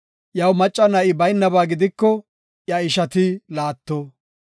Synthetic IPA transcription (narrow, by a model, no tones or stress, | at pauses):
jɐwmɐt͡ʃʼːɐnɐʔɪbɐjnːɐbaːɡɪd̪ɪkːɔ | jɐɪʃɐt̪ɪlaːt̪ːɔ